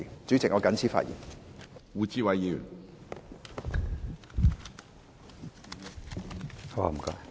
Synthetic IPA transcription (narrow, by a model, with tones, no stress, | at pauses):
ŋt͡ʃy˨˥t͡sɪ˨k̚ŋɔː˨˧kɐ˨˥nt͡sʰiː˧˥fa̰ː˧t̚jḭ˨˩nwuː˨˧t͡siː˥wɐ˨jjiː˧jy̰˨˩n | ha˧wa̰˧˩m̩˨˩ka̰˧˥